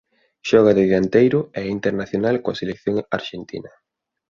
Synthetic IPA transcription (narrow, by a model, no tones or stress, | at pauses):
ʃɔɣ̞aðɪðant̪ejɾʊɛint̪eɾnaθjonalkoaselekθjoŋa̰ɾʃent̪ḭnɐ